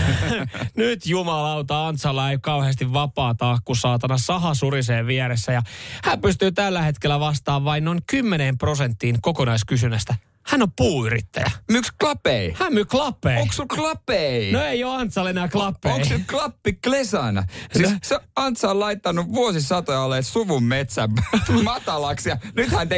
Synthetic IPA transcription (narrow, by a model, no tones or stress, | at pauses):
nyt̪jumɑlɑut̪ɑːɑnt̪sɑlːɑeikɑuheːst̪iʋʋɑpɑːt̪ɑːkːusɑːt̪ɑnɑsɑɦɑsuriseːʋʋieɾesːæjɑhæːpyst̪yːt̪ælːæhet̪kelːæʋɑst̪ɑːʋʋɑinnoiŋkymːeneːmprosent̪ːiːŋkokonɑiskysynæst̪æ | hænopuːyrḭt̪ːæ̰jæ̰myksklɑpeihæːmmyklɑpːˑeioksuklɑpeinoejoɑnt̪sɑlenæːklɑpːeoisuklɑpːiklesɑnɑ̰ssisseɑnt̪sɑollɑit̪ːɑnuʋʋuosisɑt̪ojɑlːetsuʋummet̪sæmmɑt̪ɑlɑksjɑnyt̪hænt̪e